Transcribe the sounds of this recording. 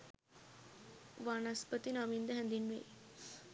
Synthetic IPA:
ʋanaspət̪inamind̪əɦɛ̃nd̪inʋḛ

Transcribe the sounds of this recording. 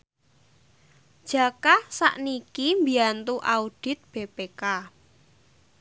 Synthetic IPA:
d̥ʒ̥a̤kasa̰ʔnikimbiant̪uʔaud̥ɪ̤t̪̚b̥ebeka

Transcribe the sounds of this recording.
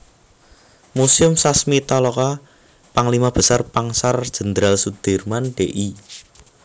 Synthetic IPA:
musʊmsasmit̪alɔka | paŋlimab̥ə̤sarpaŋsard̥ʒ̥ə̤nd̪ɾalsud̪̥e̤rmanɖ̥eʔi

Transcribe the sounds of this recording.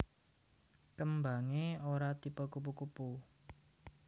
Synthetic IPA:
kəmbaŋeoɾat̪ipəkup̬ukupu

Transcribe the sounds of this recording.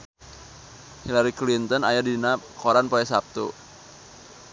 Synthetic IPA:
hilaɾiklint̪ɔnajadinakoɾanpoɛsap̚t̪ṵ

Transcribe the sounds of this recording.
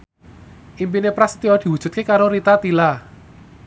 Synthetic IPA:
ʔimpinepɾast̪iɔd̪̥i̤wud̥ʒ̥ṳt̪kekaɾoɾit̪at̪ila

